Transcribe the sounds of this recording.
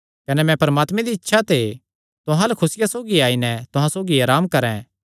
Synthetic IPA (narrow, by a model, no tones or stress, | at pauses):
kɐnɛmɛ̃pɐɾɐmaːt̪mẽd̪iɪtːʃʰat̪ʰe | t̪ʊɦãlɐkʰʊsɪjasoːɡiaːinɛt̪ʊɦãsoːɡiaːɾaːmkɐɾɛ̰̃